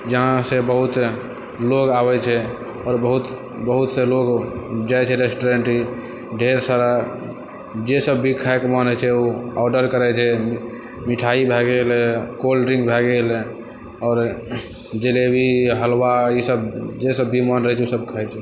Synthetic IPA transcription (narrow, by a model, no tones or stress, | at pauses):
d͡ʒəɦãsebəɦut̪ | loɡabɛt͡ʃʰɛ | ɔːɾbəɦut̪ | bəɦut̪seloɡd͡ʒajt͡ʃʰɛɾesʈoɾeɳʈi | ɖʱeɾsaɾa | d͡ʒesəbːʱikʰaekmənət͡ʃʰɛuɔɖəɾkəɾɛt͡ʃʰɛ | miʈʰaibʱɛɡelkolɾiŋɡbʱɛɡel | ɔːɾ | d͡ʒelebʱiɦəlwaisəbd͡ʒesəbːimənɾəɦɛt͡ʃʰɛusəb̚kʰəjt͡ʃʰɛ